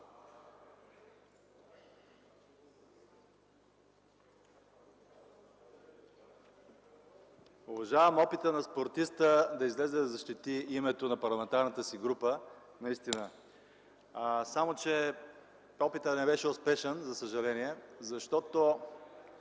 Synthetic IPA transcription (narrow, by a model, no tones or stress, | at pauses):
ʊvɐʒavəmɔpit̪ənɐspoɾt̪ist̪əd̪ɐizlɛzɛd̪ɐzɐʃt̪it̪iimɛt̪onɐpɐɾlˠɐmɛnt̪aɾnət̪əsiɡɾupə | nɐist̪inə | samot͡ʃɛ | ɔpit̪ənɛbɛʃɛʊspɛʃɛnzɐsəʒɐlɛniɛzɐʃt̪ɔt̪o